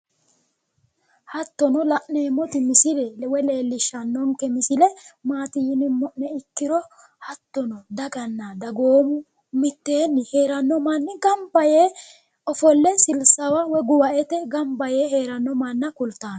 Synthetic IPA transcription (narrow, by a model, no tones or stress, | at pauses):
hɐt̪ːɔnɔlɐʔneːmɔt̪ɪmɪsɪlɛlɛwɛle̞ːlːɪʃːɐnːɔŋkːɛmɪsɪlɛmaːt̪ɪjɪnɪmɔʔnɛɪkːɪɾɔ | hɐt̪ːɔnɔd̪ɐɡɐnːad̪ɐɡoːmʊ | mɪt̪ːeːnːɪhe̞ːɾɐnːɔmɐnːɪɡɐmbɐjeː | ɔfɔlːɛsɪlsɐwɐwɔɡʊwɐʔɛt̪ɛɡɐmbɐjeːhe̞ːɾɐnːɔmɐnːɐkʊlt̪ːaːn